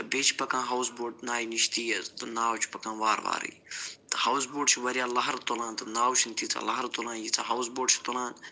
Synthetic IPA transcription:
ɨbeːt͡ʃʰi̥pɐkãːɦɐwsboːʈnaːiniʃt̪iːjɐzt̪ɨnaːwt͡ʃʰi̥pɐkãːʋaːɾʋa̰ːɾɨ̰jt̪ɨ̥hɐws̬boːɖt͡ʃʰiʋɐɾijaːlɐɦɐɾt̪olãːnt̪ɨnaːwt͡ʃʰint̪ʰit͡sa̰lɐɦɐɾt̪olãːnjit͡sʰaɦɐwsboːɖt͡ʃʰi̥t̪olãːn

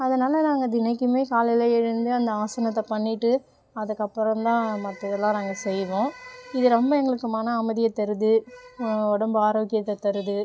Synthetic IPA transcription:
ɐðɐnaːlɐnaːŋɡɐd̪ɪnɐɪkːɯmeːkaːljlɐɛɻɯnd̪ɯɐnd̪ɐaːsɐnɐt̪ːɐpɐɳːɪʈːɯ | ɐðɯkːɐpːɔɾɐ̃mt̪ãːmɐt̪ːɐðɐlãːnaːŋɡɐsɛjʋõːɪðɯɾɔmbɐɛŋɡɐɭɯkːɯmaːnɐːmɐðɪjɐt̪ːɐɾɯðɯ | ɔɽɐmbɯaːɾoːkːɪjɐt̪ːɐt̪ɐɾɯðɯ

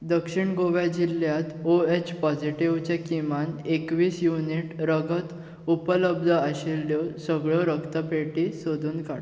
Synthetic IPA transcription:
d̪əkʂiɳɡoʋjad͡ʑiljat̪oet͡ɕpɔd͡ʑiʈiʋt͡ɕakimanekʋiːsjuniʈɾəɡət̪ | upələb̚d̪ʱəəɕelːjɔsəɡɭɔɾəkt̪əpeʈisod̪ʱuːnka̰

